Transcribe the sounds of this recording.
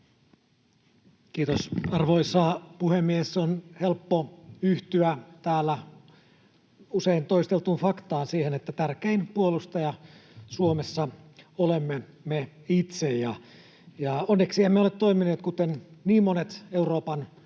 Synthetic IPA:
kiːt̪osɑrʋoisɑpuhemːiesːonhelpːoyht̪yæt̪æːlːæ | useint̪oist̪elt̪unfɑkt̪ɑːnsiːhenet̪ːæt̪ærkeinpuolust̪ɑjɑsuomesːɑolemːe | me | it̪sejjɑ | jɑonːeksiemeolet̪t̪oimineːt̪kut̪enniːmmonet̪euroːpɑn

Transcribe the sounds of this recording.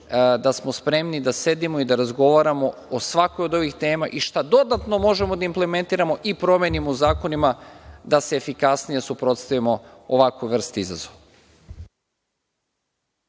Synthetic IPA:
d̪asmo̞spɾe̞mnid̪ase̞d̪imo̞id̪aɾazɡo̞ʋaɾamo̞osʋako̞jo̞d̪o̞ʋixt̪e̞ːmaʔiʃt̪ad̪o̞d̪at̪no̞mo̞ʒe̞mo̞d̪aimple̞me̞nt̪iːɾamo̞ʔipɾo̞mjenimouzaːko̞nimad̪aseːfikasnije̞supɾo̞t̪st̪aʋimo̞oʋakʋuʋr̩st̪iza̰zoʋa

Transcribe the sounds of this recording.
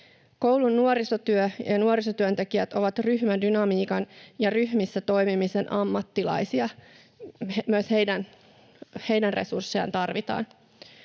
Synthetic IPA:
ko̞wlunːuoɾisot̪yøjɑnuoɾisot̪yønt̪ekiæt̪o̞ʋɑt̪ryɦmændynɑmiːkɑnjɑryhmisːæt̪o̞jmimise̞nʔɑmːɑt̪ːilɑ̰jsiɑ | myøshejdæn | he̞jdænre̞̰sursːejɑ̰nt̪ɑrʋit̪ɑ̰ːn

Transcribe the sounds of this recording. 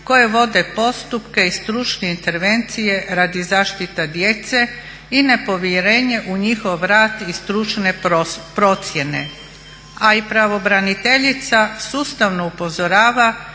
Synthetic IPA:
ko̞je̞ʋo̞d̪e̞po̞st̪upkeist̪ɾut͡ʃne̞int̪e̞ɾʋe̞nt̪sije̞ɾaːd̪izaːʃt̪it̪ad̪je̞t̪se̞ | ine̞po̞ʋjeɾe̞ːɲe̞ʔuɲixo̞ʋɾaːt̪ist̪ɾut͡ʃnepɾo̞t̪sje̞ne̞̰ | aipɾaʋo̞bɾanit̪e̞ʎit̪sasuːst̪aʋno̞upo̞zoɾaːʋa

